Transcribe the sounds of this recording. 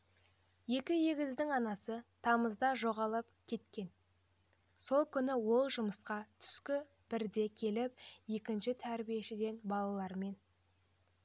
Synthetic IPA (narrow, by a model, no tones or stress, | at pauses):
je̞kʲɪje̞ɡʲɪzd̪ɪŋɑnɑsət̪ʰɑməzd̪ɑʒo̞ʁɑlˠəp̚kʲʰe̞t̪kʲe̞n | so̞lˠkʲʰʏnɪwo̞lˠʒʊməsqɑt̪ʰʏ̥skʲɪ | b̥ɪɾd̪e̞kʲʰe̞lɪp̚je̞kʲɪnʃɪt̪ʰæɾbije̞ʃɪd̪e̞nbɑlˠɑlˠɑɾme̞n